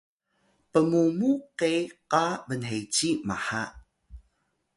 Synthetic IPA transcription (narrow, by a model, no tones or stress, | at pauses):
pəmumuqejqavənɦejt͡ɕimaħaʔ